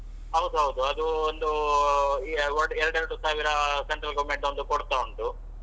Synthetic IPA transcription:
ɦɐwd̪uɦɐwd̪uɐd̪uond̪u | ɐɖeɾɐɖɐɾʈusaːʋiɾɐseɳʈɾɐlɡɐʋɐmeɳʈond̪ukoɽt̪aːuɳʈu

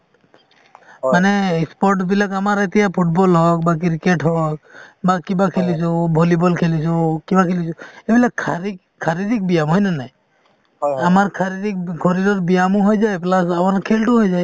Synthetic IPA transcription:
maneispɔɾʈbilakamaɾet̪iapʰuʈ̚bɔlɦɔkbak̬iɾikeʈʰɦɔkbakibakʰelit͡ʃʰubʱolibɔlkʰelisʰukibakʰelit͡ʃʰuebilakkʰaɾik | kʰːaɾid̪ik̚bijamɦɔjnanaj | amaɾkʰaɾid̪ik̚ɡʱɔɾiɾɔɾbijamuɦojd͡ʒaeplasamaɾkʰelʈuɦojd͡ʒae

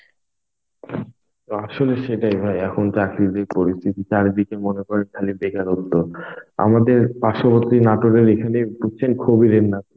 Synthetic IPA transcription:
t̪oaʃoleʃeʈajbʱajɛkʰont͡ɕakɾid̪eɾpoɾist̪ʰit̪it͡ɕaɾd̪ikemonekɔɾenkʰalibeɡaɾot̪ːoɾa̰mad̪eɾpaɾʃopot̪ːɾinaʈoɖeɾekʰaneput͡ɕːt͡ɕʰenkʰobiɾenːat̪

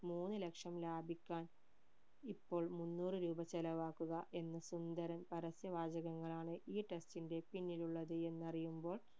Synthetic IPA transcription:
muːnːɨlekʂɐmlaːbʱikʲːaːn | ipːo̞ːɭmunːuːrɨɾuːbɐt͡ɕːɐlɐʋaːkːuɣɐʔe̞nːɐsund̪ɐɾɐmpɐɾɐsjɐʋaːd͡ʑɐɣɐŋːɐɭaːɳɨʔiːʈe̞stinde̞pinːiluɭːɐðɨe̞nːɐrijumbo̞ːɭ

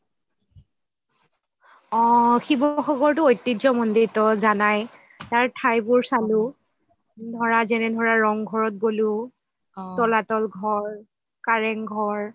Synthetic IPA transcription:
ɔ̃xibɔxɔɡɔɹtʊojtːizɔmɔndiɹtɔzanaj | taɹtʰajbʊɹsalʊ | dʱɔɹazɛnɛdʱɔɹaɹɔŋɡʱɔɹɔt̚bolu | tɔlatɔlɡʱɔɹ | kaɹɛŋɡʱɔɹ

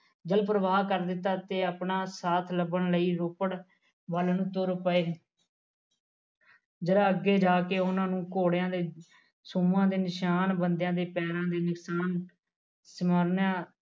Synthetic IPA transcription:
d͡ʒəlpɾəʋaːkəɾd̪ɪt̪ːaːt̪eːəpnaːsaːt̪ʰləbəɳləiːɾoːpəɽ | ʋəlnũːt̪ʊɾpəeː | d͡ʒəɾãːəɡeːd͡ʒaːkeːʊnãːnũːkoːɽjãːd̪eː | sʊmãːd̪eːnɪʃaːnbənd̪jãːd̪eːpɛːɾãːd̪eːnɪksaːn | səməːɾnjãː

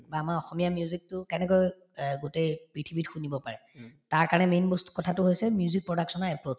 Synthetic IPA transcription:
baːmaɹɔxɔmijamijuzik̚tʊkɛnɛkoj | ɡutejpɹitʰibitxunibɔpaɹɛtaɹkaɹnɛmenbostu̥kɔtʰatʊɦojsɛmjuzik̚pɹɔdaksɔnaɹɛpɹod͡ʒ

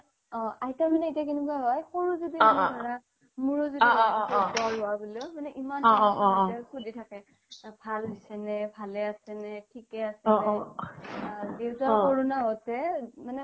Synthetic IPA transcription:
ɔ̃ajtamanɛetijakinɛkuaɦɔjxoɹuzudiaɹa | muɹuzudiaɔtpɔaɦʊaɡɔlʊmanɛʔimanɔɔtakuditʰakɛ | bʱalbisɛnɛbʱalɛasɛnɛtʰikɛasɛ | dewtakoɹunaɔtɛmanɛ

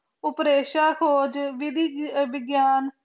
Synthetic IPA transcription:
ʊpɾeːʃaːkʰoːd͡ʒʋɪd̪iʋɪɡjaːn

